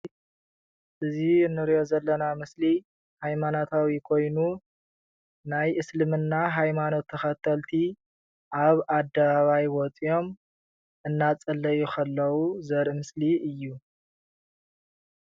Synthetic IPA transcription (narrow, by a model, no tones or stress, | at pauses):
ʔɨzinːɨɾijo̞zɐlːɐnamɨsli | hajmanot̪ʰawikʰo̞jnu | najʔɨslɨmɨnːaɦajmano̞t̪ʰːɐxɐt̪ʰːɐlt̪ʰi | ʔaβad̪ːɐβaβajwɔt͡sʼijo̞m | ʔɨnːat͡sʼɐlːɐjukʰɐlːɐwuzɐɾʔɨmɨsliɨjːu